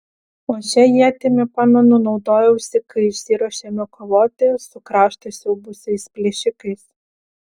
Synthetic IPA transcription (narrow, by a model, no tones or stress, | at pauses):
oːt͡ʃʲɛjit̪ʲemʲɪpɑːnonʊnɒʊd̪oːjɛʊsʲɪkɐɪɪʃʲsʲiːɾɐʃʲemʲɛkɔʋoːt̪ʲesʊkɾɑːʃt̪ɐɪsɛbʊsʲɛɪspʲlʲɛʃʲɪkɐɪs